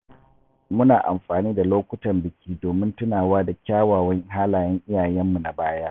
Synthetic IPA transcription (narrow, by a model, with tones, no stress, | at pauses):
mʊ˦naː˨ʔa̰˨mɸaː˨niː˦da˨loː˦kʷʊ˦tɐ˨mbɪ˨kʲʰiː˦doː˨mɪ˦ntʊ˦naː˨waː˦da˨kʲaː˦waː˨wɐ˦ŋ˦ɦaː˦laː˨jɛ˦ŋʔɪ˦jaː˨jɛ˦mːu˨na˨baː˦jaː˦